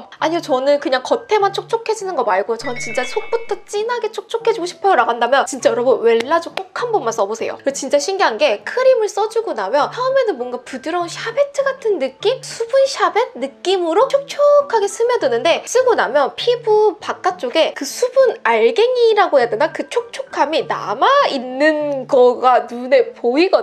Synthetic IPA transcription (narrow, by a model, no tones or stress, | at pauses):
aɲiot͡ɕʌnɯnkɯɲaŋŋkʌtʰe̞mant͡ɕʰok̚t͡ɕ͈ʰokʰe̞d͡ʑinɯnɡʌmaɭɡojot͡ɕʌnɯnt͡ɕint͡ɕ͈asʰok̚p͈utʰʌt͡ɕ͈inɦaɡe̞t͡ɕʰok̚t͡ɕ͈ʰokʰe̞d͡ʑuiɡoɕʰi̥pʰʌjoɾaɡandamjʌnt͡ɕint͡ɕ͈ajʌɾʌbɯnwe̞ɭːad͡ʑok͈okʰanbʌnmans͈ʌbosʰe̞̰jo̰ket͡ɕint͡ɕ͈aɕʰiŋɡiɦanɡe̞kʰɯɾimɯɭs͈ʌd͡ʑuɡonamjʌnsaume̞donmwʌnɡapudɯɾʌunɕʰabe̞tʰɯɡatʰɯnːɯk͈imsʰubunɕʰabet̚nɯkk͈imɯɾot͡ɕʰok̚t͡ɕʰokʰaɡe̞s͈ɯmjʌdɯnɯnde̞s͈ɯɡonamjʌnpʰibupak͈at͡ɕ͈oɡe̞kɯsʰubunaɭɡeŋiɾaɡojedɯnakɯt͡ɕʰok̚t͡ɕʰokʰamina̰mainːɯnɡʌɡanune̞poiɡʌ